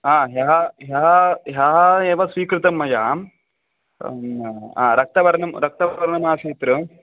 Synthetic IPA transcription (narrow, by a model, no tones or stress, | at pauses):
aːɦɐɦɐɦaɦɐɦjaːɦɐeːʋɐsʋiːkɾɨt̪ɐmːɐjaːm | aːɾɐk̚t̪ɐʋɐɾɐnɐmɾɐk̚t̪ɐʋɐɾɐɐɾɐɳɐmaːseːt̪ɾɨ